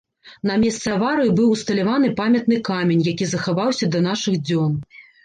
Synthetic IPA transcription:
n̪ɐmʲɛst̪sɛvaɾɨjibɨwust̪ɐlʲavanɨpamʲɐt̪nɨkamʲenʲjakʲizɐxavawsʲɐd̪ɐn̪aʂɨɣd͡zʲɔn

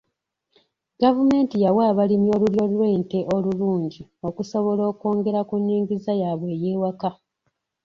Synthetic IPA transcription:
ɡavume̞ːntijawaːβalimjo̞ːluljo̞ːluɾweːnte̞ʔo̞luluːɲɟio̞kuso̞βo̞lo̞ːko̞ːŋɡe̞ɾakunːiːŋɡizajaːβwe̞ːje̞ːwaka

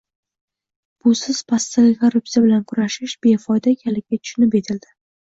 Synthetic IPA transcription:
b̥ʊsɪz̥pʰast̪aɡʲɪkʰaɾʊpsijabɪlankʰʊɾaʃɪʃb̥e̞fɒjd̪akʲʰalɪk̚ʲːat̪ʰʊ̥ʃʊnɪpe̞t̪ʰɪld̪̥ɪ

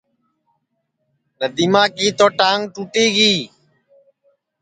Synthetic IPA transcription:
nəd̪imaːkiːt̪oːʈaːŋʈuːʈiːɡiː

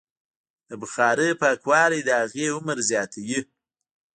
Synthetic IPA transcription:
d̪̥əbəxɑɾəpakwɑːɾed̪əhaɣeʊməɾzjɑt̪ʰawi

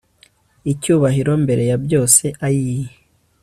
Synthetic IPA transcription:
icuːβahiɾo̞mbe̞ɾe̞jabjo̞ːse̞ʔajiji

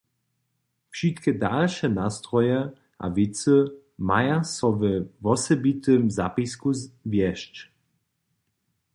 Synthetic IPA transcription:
fʃit̪kɛd̪alʃɛnast̪ɾɔjɛ | ʔa̰vit̪sɨ | majasɔvɛvɔsɛbit̪ɨmza̰piskuvʲjɛʃt͡ʃ

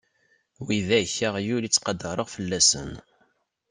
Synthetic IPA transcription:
wiðæçəʁjulit͡sːqɑd̪ɑɾˤəʁfəlːæsə̰n

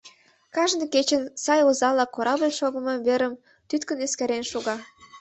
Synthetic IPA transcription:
kɑʒnɤket͡ɕə̆nsɑjozɑlɑkoɾɑbəlʲʃoɣə̆mɤmβeɾəm | t̪yt̪kə̆neskeɾenʃuɣɑ

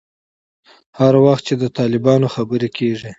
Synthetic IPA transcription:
haɾwaxt̪̚t͡ʃed̪ət̪ɑlɪbɑnoxabəɾekʰeʐi

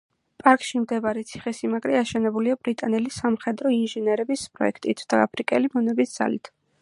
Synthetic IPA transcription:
pʼaɾkʼʃimd̪ɛbaɾɛt̪sʰi̥χɛsimaɡɾɛaʃɛnɛbuliabɾit̪ʼanɛlisamχɛd̪ɾɔinʒɛnɛɾɛbispʼɾɔ̰ɛ̰kʰt̪ʼit̪ʰd̪̥aa̰pʰɾikʼɛlimɔnɛbisd̪z̥a̰lit̪ʰ

